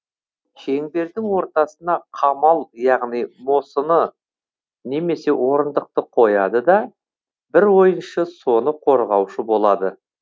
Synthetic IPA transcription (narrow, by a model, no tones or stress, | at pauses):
kʲʰe̞ŋb̪e̞ɾd̪ɪŋwo̞ɾt̪ɑsənɑqʰɑmɑlˠjɑʁnijmo̞sənə | ne̞me̞se̞wʔo̞ɾənd̪əq̚t̪əqʰojɑd̪əd̪ɑ | bɪɾwo̞jənʃəso̞nəqʰo̞ɾʁɑwʃəbo̞lˠɑd̪ə